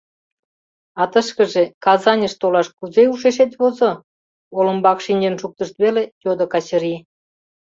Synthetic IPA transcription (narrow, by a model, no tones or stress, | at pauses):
ɑt̪əʃkəʒekɑzɑnʲəʃt̪olɑʃkuzeuʃeʃ̬et̪βozo | olə̆mbɑkʃinʲenʃuk̚t̪əʃt̪βelejod̪okɑt͡ɕəɾi